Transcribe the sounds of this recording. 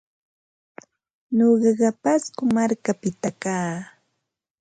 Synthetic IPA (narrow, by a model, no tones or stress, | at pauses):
ɲoɢɑɢɑpaskʊmaɾkapɪt̪akaː